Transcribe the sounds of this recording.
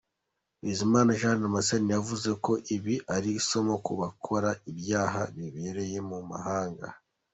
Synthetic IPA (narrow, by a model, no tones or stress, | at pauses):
wizimaːnaʒaːnamasenijavuze̞ko̞ʔiβiʔaɾiso̞mokuβakʰo̞ɾaibjaːɦaβiβe̞ɾe̞je̞muma̰haːŋɡa̰